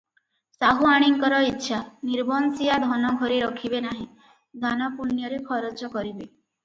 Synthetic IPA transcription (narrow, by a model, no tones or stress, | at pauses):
saɦuaɽ̃iŋkɔɾɔitːʃʰaniɾbɔnsiad̪ʱɔnɔɡʱɔɾeɾɔkʰibenaɦĩ | d̪ʱanɔpuɾnjɔɾekʰɔɾɔt͡ʃɔkɔɾibe